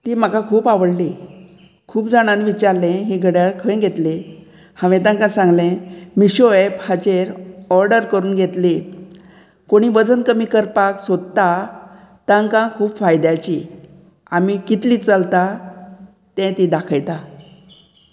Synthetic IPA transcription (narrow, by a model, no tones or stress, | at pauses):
t̪iːm̤akãkʰuːpaʋəɽli | kʰuːpd͡zaɽ̃ãnʋit͡ɕaɾlẽɦiɡʱəɽəɭkʰə̃jɡʱet̪le | hãʋẽt̪̬ãŋkãsãŋɡlẽmiɕoephat͡ɕeɾɔɾɖəɾkəɾuːnɡʱet̪li | koɽ̃iːʋəd͡zənkəmiːkəɾpaksod̪t̪a | t̪ãŋkãkʰuːpfajd̪jat͡ɕi | amikit̪liːt͡səlt̪a | t̪ɛ̃t̪id̪akʰəjt̪a